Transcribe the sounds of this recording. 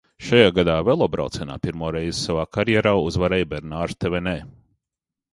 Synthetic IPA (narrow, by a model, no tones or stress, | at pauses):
ʃajaːɡad̪aːvɛlˠɔbɾa̰wt̪sɛna̰ːpiɾmuɔɾɛjz̥savaːkʰaɾjɛɾaːuzvaɾɛjbɛɾnaːɾt̪ɛvɛnɛː